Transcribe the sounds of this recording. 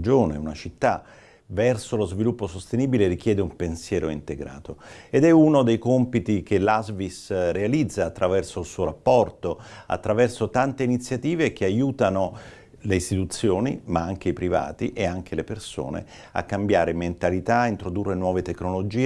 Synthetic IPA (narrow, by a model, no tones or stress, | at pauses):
d͡ʒoːnḛunat͡ʃit̪ːa | vɛrsolozvilupːosost̪eniːbileɾik̟jɛːd̪eumpensjɛːɾoint̪eɡɾa̰ːt̪oed̪ɛunod̪ejkompit̪ikelazvisrealid̪zːaːt̪ːɾavɛrsoilsuːoɾapːɔrt̪oa̰t̪ːɾavɛrsot̪ant̪einit̪sːjat̪iːvek̟eajuːt̪ano | leist̪it̪ut̪sːjoːnḭmaaŋk̟eipɾiva̰ːt̪iʔeaŋk̟ʰeleperso̰ːnḛ | a̰kːambjaːɾement̪alit̪aint̪ɾod̪urːenwɔːvet̪ekːnolod͡ʒiː